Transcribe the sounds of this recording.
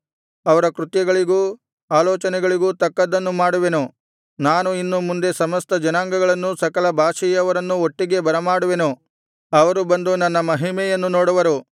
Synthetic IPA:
ɐʋɐɾɐkɾut̪jɐɡɐɭiɡuː | aːlɔːt͡ʃɐnɛɡɐɭiɡuːt̪ɐkːɐd̪ɐnːumaːɽuʋenu | naːnuinːumund̪e̞sɐmɐst̪ɐd͡ʒɐnaːŋɡɐɡɐɭɐnːusɐkɐlɐbʱaːʂijɐʋɐɾɐnːuoʈːiɡe̞bɐɾɐmaːɽuʋenu | ɐʋɐɾubɐnd̪unɐnːɐmɐɦimɛjɐnːunoːɽuʋɐɾu

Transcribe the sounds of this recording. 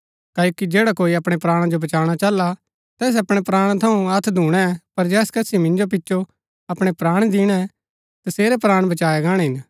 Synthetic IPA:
kaːoːkid͡ʒeːɽakoːiɐpɽ̃epɾaːɽ̃ad͡ʒobɐt͡ʃaːɽ̃at͡ʃɐlːa | t̪ɛːs̬ɐpɽ̃epɾaːɽ̃t̪ʰɐũɐt̪ʰd̪ʱuːɽ̃ɛpɐɾd͡ʒɛːskɐsimɪ̃nd͡ʒop̬ɪtːʃʰo | ɐpɽ̃epɾaːɽ̃d̪ɪːɽ̃ɛ | t̪ɐseːɾɛpɾaːɽ̃bɐt͡ʃaːɛɡãːɽ̃eɦɪ̃n

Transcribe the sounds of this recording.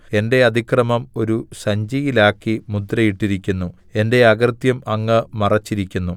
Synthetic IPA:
e̞nde̞ɐd̪ʱikrɐmɐmo̞ɾusɐɲd͡ʑijilaːkːimud̪ɾɐjiʈːiɾikʲːunːu | e̞nde̞ɐɡrt̪jɐmɐŋːɨmɐrɐt͡ɕːiɾikʲːunːu

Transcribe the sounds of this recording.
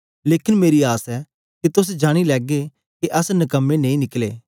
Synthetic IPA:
leːkɪnmeːɾiaːsɛː | ket̪ʊs̬d͡ʒaːɽ̃ilɛːɡe | keʔɐsnɐkəmːenẽĩnɪklḛː

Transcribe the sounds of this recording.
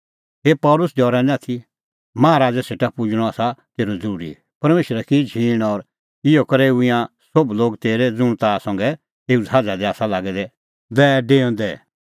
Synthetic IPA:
ɦeːpɔːlʊsdɔːɾɛ̃nɛ̃at̪ʰi | mãːɾaːd͡zɛseːʈapʊd͡ʒɽ̃ɔaːsat̪eːɾod͡zəɾuːɾḭ | pɐɾmeːʃəɾɛkid͡ʒʱiːɽ̃ɔɾ | ɪokɐɾeuɪã | sobloːɡt̪eːɾɛd͡zʊɽ̃t̪asɐ̃ŋɡɛ | eːud͡zʱaːd͡zad̪ɛaːsalaːɡɛd̪ɛ | d̪ɛːɖeːɔ̃nd̪ɛ

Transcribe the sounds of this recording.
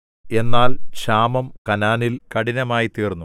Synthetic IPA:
e̞nːaːlɕaːmɐmkɐnaːnilkɐɽinɐmaːjit̪iːrnːu

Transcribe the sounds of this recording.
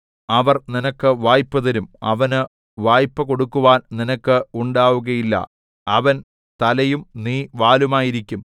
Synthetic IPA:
ɐʋɐrninɐkːɨʋaːjpːɐðɐɾumɐʋɐnɨ | ʋaːjpːɐko̞ɽukːuʋaːnninɐkːɨuɳɖaːʋuɣɐjilːɐ̰ | ɐʋɐn | t̪ɐlɐjumniːʋaːlumaːjiɾikʲːum

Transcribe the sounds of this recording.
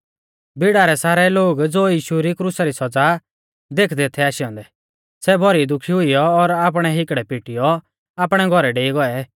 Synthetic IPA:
bɪɽaɾɛsaːɾɛloːɡd͡zoːjiːʃuɾikɾusaɾisɔd͡za | d̪eːkʰd̪et̪ʰɛaːʃɪjɔ̃nd̪ɛ | sɛbʱɔɾid̪ʊkʰiɦʊijɔːɾaːp̬ɽ̃ɛɦɪkɽɛpiʈɪjɔ | aːpɽ̃ɛɡʱɔɾɛɖeːiɡɔɛ

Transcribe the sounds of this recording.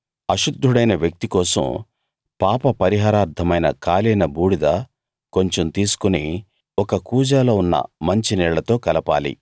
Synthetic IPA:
ɐʃud̪ʱːuɽɐjnɐʋjɐk̚t̪ikɔːsɐ̰m | paːpɐpɐɾiɦaːɾaːɾt̪ʰɐmɐjnɐ̰kaːliːnɐbuːɽid̪ɐ | ko̞ɲt͡ʃomt̪iːsu̥kuni | ɔkɐkuːd͡ʒaːlo̞ːunːɐ̰mɐɲt͡ʃinɛːɭɐt̪o̞ːkɐlɐpa̰ːlḭ

